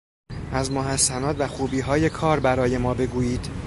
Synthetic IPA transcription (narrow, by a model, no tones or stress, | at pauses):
ʔæzmoɦæsːænɒːd̪væxuːbiːɦɒːje̞kʰɒːɾbæɾɒːje̞mɒːbe̞ɡuːjiːd̪̥